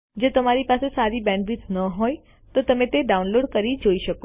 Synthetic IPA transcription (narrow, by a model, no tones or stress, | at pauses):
d͡ʒot̪əmaɾipasesaɾibɛ̃ɳɖʋisnəɦoj | t̪ot̪əmẽt̪eɖaunloɖkəɾid͡ʒoiʃəko